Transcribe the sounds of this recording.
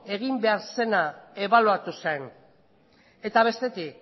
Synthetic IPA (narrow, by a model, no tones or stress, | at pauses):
e̞ɣ̞imbe̞aɾse̞nae̞βaluat̪usan | e̞t̪aβ̞e̞st̪e̞t̪ik